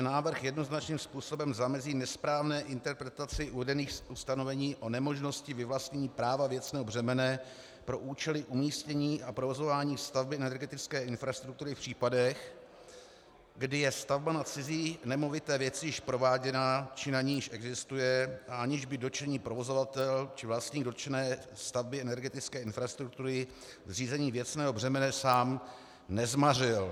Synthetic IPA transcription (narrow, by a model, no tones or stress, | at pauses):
naːvr̩xjɛdno̞znat͡ʃniːmspuːso̞bɛmzamɛziːnɛspɾaːvnɛːʔɪnt̪ɛɾpɾɛt̪at͡sɪʔuvɛdɛniːxʔust̪anovɛɲiːʔo̞nɛmo̞ʒno̞scɪvɪvlastɲɛɲiːpɾaːvavjɛt͡snɛːɦobrɛmɛnɛ | pɾo̞ʔuːt͡ʃɛlɪʔumiːscɛɲiːʔapɾo̞vo̞zo̞vaːɲiːst̪avbɪɛnɛɛɾɡɛt̪ɪt͡skɛːʔɪnfɾast̪ɾuk̚t̪uɾɪfpr̥iːpadɛx | ɡdɪjɛst̪avbanat͡sɪziːnɛmo̞vɪt̪ɛːvjɛt͡sɪjɪʃpɾo̞vaːɟɛnat͡ʃɪnaɲiːjɪʃʔɛɡzɪst̪ujɛʔaʔaɲɪʒbɪdo̞t͡ʃɛɲiːpɾo̞vo̞zo̞vat̪ɛlt͡ʃɪvlast̪ɲiːɡdo̞t̪t͡ʃɛnɛːst̪avbɪɛnɛɾɡɛt̪ɪt͡skɛːɪnfɾast̪ɾuk̚t̪uɾɪ | zr̝iːzɛɲiːvjɛt͡snɛːɦo̞br̝ɛmɛnɛsaːm | nɛzmarɪl